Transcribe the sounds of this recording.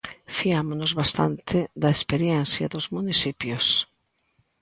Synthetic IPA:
fiamonozβast̪a̰nt̪ʰɪd̪ɐespeɾjɛn̟θja̰ðʊzmunisipjos

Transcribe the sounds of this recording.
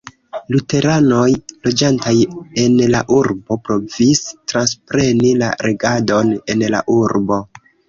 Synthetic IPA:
lute̞ɾano̞jlo̞d͡ʒantaje̞nlaʔuɾbo̞pɾo̞vistɾanspɾe̞nila̰ɾeɡado̞ne̞nla̰ʔuɾbo̞

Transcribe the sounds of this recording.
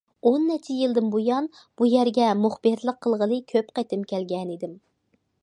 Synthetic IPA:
onːɛt͡ʃʰijɨlˠd̪ɨmbojɑn | b̥ujæɾɡʲɛmʊχbɨɾlˠəqʰːəlˠʁəlˠɨkʲʰøpqɛt̪ɪmkʲælɡʲɛnid̪ɪm

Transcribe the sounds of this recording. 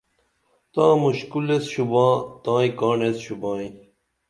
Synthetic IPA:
t̪ãːmuɕkulesɕubãːt̪ãːĩkaːɳesɕubãːĩ

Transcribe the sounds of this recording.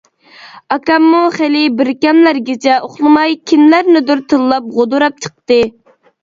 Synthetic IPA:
ɑkɑmːuχelɪbɪɾkʲɛmlæɾɡʲet͡ʃʰɛʔoχlˠɨmɑjkʲʰinlæɾnɪd̪yɾt̪ʰɨlːˠɑp̚ʁod̪uɾɑp̚t͡ʃʰə̥q̚t̪ɨ

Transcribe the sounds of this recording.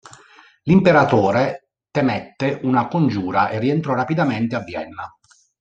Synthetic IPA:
limpeɾat̪oːɾe | t̪emɛt̪ːeʔunakond͡ʒuːɾaʔerːient̪ɾɔrapid̪ament̪eavːjɛ̰nːa

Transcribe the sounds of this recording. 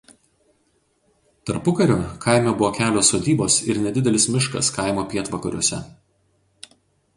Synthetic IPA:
t̪ɐɾpʊkɐɾʲoːkʰɐɪmʲɛbʊʋoːkʲæːlʲoːsoːd̪ʲiːboːsɪɾnʲɛd̪ʲɪd̪ʲɛlʲɪsmʲɪʃkɐ̰skɐˑɪmoːpʲiɛt̪ʋɐkɐɾʲuɔsʲɛ̰

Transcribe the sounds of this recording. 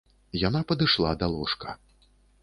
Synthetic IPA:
janapɐd̪ɨʂlˠad̪alˠɔʂkɐ̥

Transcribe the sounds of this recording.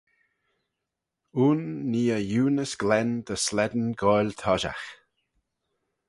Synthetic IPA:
uːnːiːəjuːnəsɡ̥lɛnd̪əslɛd̪ənɡɔjlʲt̪ʰɔʒa̰x

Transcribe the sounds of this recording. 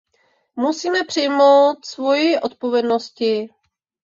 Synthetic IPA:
musiːmɛpr̝̥ɪjmowt̪svo̞jɪʔot̪̚povjɛdno̞scɪ

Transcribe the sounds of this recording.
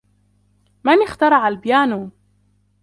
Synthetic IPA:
manɪxt̪ɑɾˤɑʕalbjaːnuː

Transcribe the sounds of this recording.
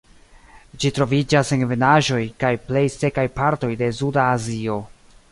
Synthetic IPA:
d͡ʒitɾo̞vid͡ʒasenvenaʒo̞jkajple̞jse̞kajpaɾto̞jde̞sudaːzio̞

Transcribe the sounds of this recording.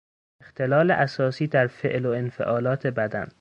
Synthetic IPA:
ext̪e̞lɒːleʔæsɒːsiːd̪æɾfeʔloenfe̞̰ʔɒːlɒːt̪ʰe̞bæd̪æn

